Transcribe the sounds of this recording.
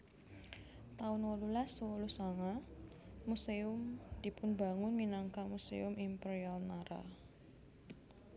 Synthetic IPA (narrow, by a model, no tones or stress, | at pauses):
t̪aʊnwɔlulaswolusaŋa | museʊmd̥ipʊnbaŋʊnminaŋkamusḛʊmimpɛɾialnaɾa̰